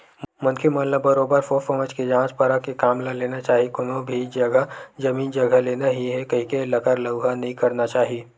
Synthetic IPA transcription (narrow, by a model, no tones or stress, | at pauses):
mʊ̃nkʰemɐnləbːɐɾoːbəɾfoːfɐmət͡ʃked͡ʒãːt͡ʃpɐɾakekaːmlaleːnat͡ʃaːɦiekʊnõbʱid͡ʒɐɡəd͡ʒɐmiːnd͡ʒɐɡəleːnaɦiɦɛkɐɦĩkelɐkəɾləɡɦanɐɦĩkɐɾnat͡ʃaːɦieː